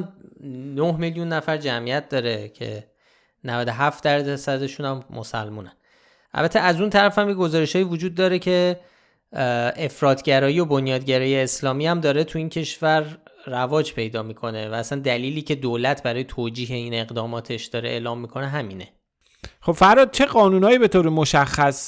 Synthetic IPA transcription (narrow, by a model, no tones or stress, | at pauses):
nohmeljunːæfæɾd͡ʒæmijæt̪̚d̪ɒːɾe̞cʰe̞̰ | nævæd̪o̞ɦæft̪̚d̪æɾd̪æsæd̪e̞ʃunæmːo̰sæ̰lmuːnæn | ʔæ̰lbæt̪ʰːeæzunt̪ʰæɾæfæmjeɡo̞zɒːɾeʃhɒːivod͡ʒuːd̪̚ːɒːɾecʰe̞ | efɾɒːt̪ʰɟæɾɒːjio̞bonjɒːd̪ɟæɾɒːjeːslɒːmiæmd̪ɒːɾet̪ʰuiːncʰe̞ʃvæɾːævɒːd͡ʒpʰe̞jd̪ɒːmiːkʰo̞nevæːsænd̪æliːliːcʰe̞d̪oːlæt̪ʰbæɾɒːjet̪ʰoːd͡ʒiːɦe̞ine̞ɣd̪ɒːmɒːt̪ʰe̞ʃd̪ɒːɾeʔḛːlɒːmːikʰo̞neɦæmiːne̞ | χobfæɾɒːd̪̚t͡ʃʰe̞ɣɒːnunɒːjibe̞t̪ʰoːɾemoʃæxːæs